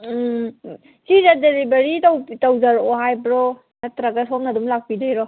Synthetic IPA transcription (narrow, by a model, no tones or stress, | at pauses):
sizadelibeɾitawtawzaɾɔɦajbɾɔ | nɐtɾaɡasom̚nadumlak̚pidajɾɔ